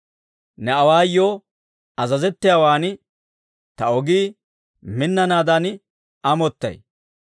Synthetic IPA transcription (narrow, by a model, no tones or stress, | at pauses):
nɛɐwaːjːoː | ɐzɐzɛt̪ːɪjaːwaːn | t̪ɐɔɡiː | mɪnːɐnaːd̪ɐn | ɐmɔt̪ːɐ̰j